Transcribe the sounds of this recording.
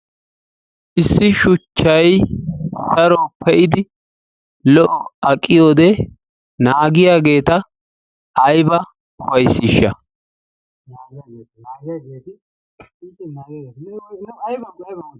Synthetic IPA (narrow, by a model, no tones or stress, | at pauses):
ʔɪsːɪʃʊt͡ʃːɐj | sɐɾɔpʰɛʔɪd̪ɪ | lɔʔɔɐkʼːɪjo̞ːd̪ɛ | naːɡɪjaːɡe̞ːt̪ɐː | jbɐ | ʊfɐjsːiːʃːɐ